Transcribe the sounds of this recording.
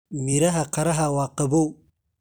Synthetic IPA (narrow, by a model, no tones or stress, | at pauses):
miɾaɦakaɾaɦawaqabo